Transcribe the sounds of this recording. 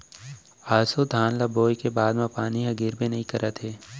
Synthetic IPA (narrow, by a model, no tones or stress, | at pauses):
aːsod̪ʱaːnlaboːjkebaːd̪mãpaːniɦɐɡiːɾbenɐɦĩkɐɾət̪ʰɦeː